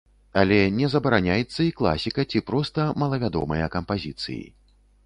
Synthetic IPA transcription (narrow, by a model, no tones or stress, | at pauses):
ɐlʲɛnʲɛzɐbɐɾanʲajɛt̪sːɐiklˠa̰sʲikɐt͡sʲipɾɔst̪ɐmɐlˠɐvʲad̪ɔ̰mɐjɐkɐmpazʲit̪sɨ̰jḭ